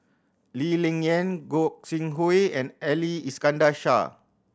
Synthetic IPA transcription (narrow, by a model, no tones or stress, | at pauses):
lilĩŋɛ̃nɡɔk̚sĩŋɦoɛ̃nɛliiskãndaʃa̰